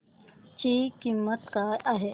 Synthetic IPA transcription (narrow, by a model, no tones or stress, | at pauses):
t͡ʃiːkimːət̪kaʔaɦe